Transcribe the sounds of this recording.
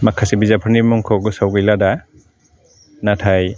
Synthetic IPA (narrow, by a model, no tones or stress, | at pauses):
makʰasibizapʰɯɾnimɔŋkʰɔɡɯsawɡɯjlada | natʰaj